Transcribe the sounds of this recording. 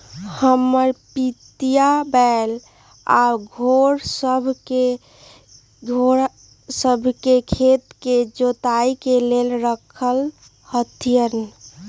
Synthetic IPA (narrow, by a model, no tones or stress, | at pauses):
həməɾpit̪ijabɛl | a̰ɡʱoɾsəbʱke | ɡʱoɾ | səbʱkekʰet̪ked͡ʒot̪aikelelɾəkʰəl | hət̪ʰijən